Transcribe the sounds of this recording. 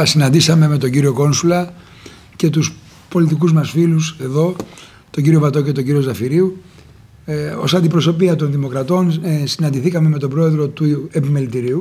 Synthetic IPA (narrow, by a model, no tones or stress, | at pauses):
sinɐnd̪isɐme̞me̞t̪o̞ɲɟiɾio̞ko̞nsulɐ | ce̞t̪us | po̞lit̪ikuzmɐsfiluse̞ðo̞ | t̪oɲɟiɾio̞vɐt̪o̞ce̞t̪o̞ɲɟiɾio̞zɐfiɾiu | o̞sɐnd̪ipɾo̞so̞piɐt̪o̞nðimo̞kɾɐt̪o̞nsinɐnd̪iθikɐme̞me̞t̪o̞bɾo̞e̞ðɾo̞t̪ue̞pime̞lit̪iɾiu